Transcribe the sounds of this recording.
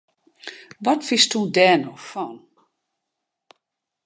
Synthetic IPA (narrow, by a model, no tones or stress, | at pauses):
ʋɔtfɪstudɛːnɔxfɔn